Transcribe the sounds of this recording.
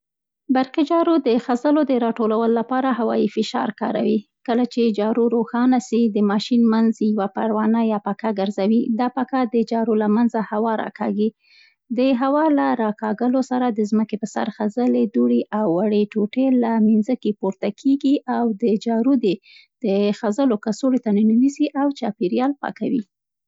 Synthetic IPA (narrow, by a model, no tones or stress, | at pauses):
baɾqid͡ʒɑɾod̪əxazəlod̪əɾɑʈolawəloːapɑɾaɦawɑ̰jifɪʃɑ̰ɾkɑ̰ɾa̰wikəlat͡ʃed͡ʒɑɾoɾoxɑnasid̪əmɑʃinmanzjawapaɾwɑnajɑpakaɡəɾzawid̪ɑpakad̪əd͡ʒɑɾolamanzahawɑɾɑ̰kʰɑ̰ɡi | d̪əɦawɑlaɾɑkɑɡəlosaɾad̪əzməkepəsa̰ɾxazəled̪uɽeʔawːaɽeʈoʈelaminzəkepoɾt̪akʰeɡiʔawd̪əd͡ʒɑɾud̪e | d̪̥əxazəlokasoɽet̪ananinisiʔawt͡ʃɑpeɾjɑlpɑ̰kawḭ